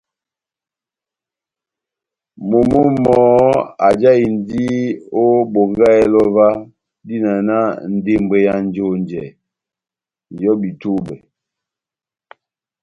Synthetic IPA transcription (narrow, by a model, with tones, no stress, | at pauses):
mo˨mo˦mɔ˨˦a˨d͡ʒa˦i˨n˦di˦o˦bo˨ŋɡa˦ɛ˦lɔ˦va˦ | di˦na˨na˦n̩˦˨de˦mbe˦ja˦n˦d͡ʒo˦nd͡ʒɛ˨ | n˨jɔ˦bi˨to˦bɛ˨